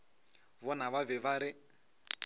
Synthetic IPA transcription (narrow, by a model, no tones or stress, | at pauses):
βɔnaβavɛβaɾɪ